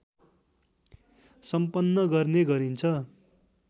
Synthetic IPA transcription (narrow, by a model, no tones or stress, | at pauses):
sʌmpʌnːʌɡʌrneɡʌɾint͡sʰʌ